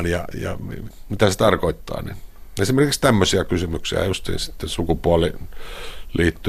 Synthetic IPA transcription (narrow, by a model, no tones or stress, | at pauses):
njɑjɑ̰mimit̪æset̪ɑrkoit̪ːɑ̰ːnḭnesimerkikst̪æmːøsiɑkysymyksḭæ̰just̪ḭːnsi̥t̪ːesukupuɑli | liːt̪ːy